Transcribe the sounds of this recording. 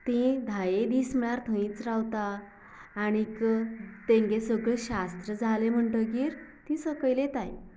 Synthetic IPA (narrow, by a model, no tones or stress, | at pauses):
t̪ẽd̪ʱajed̪iːsməɭaɾt̪ʰə̃ĩt͡sɾawt̪aː | ɽ̃ikt̪ẽŋɡesəɡɭeɕast̪ɾəd͡zʱalem̤əɳʈəɡiːɾt̪ĩsəkəjlet̪aj